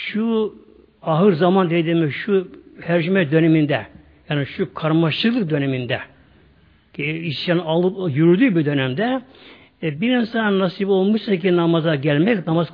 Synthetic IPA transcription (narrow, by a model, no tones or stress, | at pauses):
ʃu | ɑɦɯɾzamand̪ed̪imiʃuhæɾʒymɛd̪ø̞nɛmind̪ɛ | jaːnɯʃukʰaɾmɑʃlˠɯk̪ˠɯk̚d̪ø̞nɛmind̪ɛ | ciiʃanalˠɯpjyɾyd̪ybid̪ø̞nɛmd̪ɛ | biɾinsannasipo̞lˠmɯʃsakinɑmazaɟælʲmɛknɑmaz